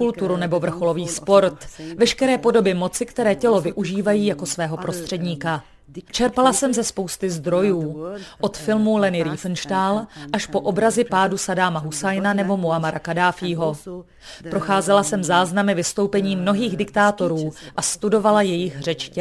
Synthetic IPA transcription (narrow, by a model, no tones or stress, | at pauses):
kult̪uɾunɛbo̞vr̩xo̞lo̞viːspo̞ɾt̪vɛʃkɛɾɛːpo̞do̞bɪmo̞t͡sɪkt̪ɛɾɛːcɛlo̞vɪʔuʒiːvajiːjako̞svɛːɦo̞pɾo̞st̪r̥ɛdɲiːka | t͡ʃɛɾpalasɛmzɛspo̞wst̪ɪzd̪ɾo̞juːʔo̞t̪fɪlmulɛnɪɾiːfnʃtaːlʔaʃpo̞ʔo̞bɾazɪpaːdusadaːmaɦusajnanɛbo̞moamaɾakadaːfiːɦo̞ | pɾo̞xaːzɛlasɛmzaːznamɪvɪst̪o̞wpɛɲiːmno̞ɦiːɣdɪkt̪aːt̪o̞ɾuːʔast̪udo̞valajɛjɪxr̝ɛt͡ʃcɛ